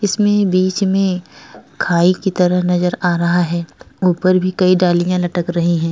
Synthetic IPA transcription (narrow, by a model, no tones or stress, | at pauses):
ɪsmẽbiːt͡ʃmẽkʰaːikit̪ɐɾəɦnɐzəɾaːɾɐɦaɦɛːuːpəɾbʱikɐiɖaːlijãlɐʈəkɾɐɦĩɦɛ̃ː